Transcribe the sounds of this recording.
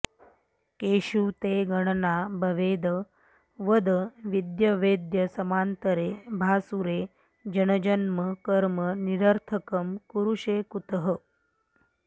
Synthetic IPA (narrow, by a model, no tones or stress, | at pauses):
keːɕuːt̪eːɡɐɳnabʱɐʋeːd̪ə | ʋəd̪əʋid̪jɐʋeːd̪jəsɐmaːnt̪əɾeːbʱaːsuɾeː | d͡ʒənəd͡ʒənməkəɾməniɾəɾt̪ʰəkəmkuɾuʂeːkut̪ɦə